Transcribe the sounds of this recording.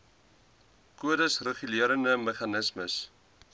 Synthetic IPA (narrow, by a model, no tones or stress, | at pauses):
kuədəsrəχyliəɾəndəməχɑnəsməs